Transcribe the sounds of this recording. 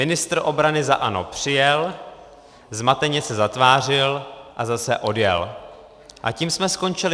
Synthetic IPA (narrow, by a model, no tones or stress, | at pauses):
mɪnɪst̪ɾʔo̞bɾanɪza̰ʔanopr̝̥ɪjɛl | zmat̪ɛɲɛsɛzat̪vaːr̝ɪlʔazasɛ̰ʔo̞djɛ̰l | ʔa̰ciːmsmɛsko̞nt͡ʃɪlɪ